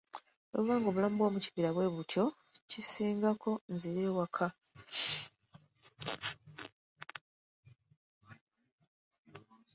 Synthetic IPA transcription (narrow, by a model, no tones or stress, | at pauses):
oβuβaːŋɡo̞βulaːmbwo̞ːmuci̥piɾaβwe̞ːβutʰjo̞ | cisiːŋɡakʰo̞nziɾeːwakʰa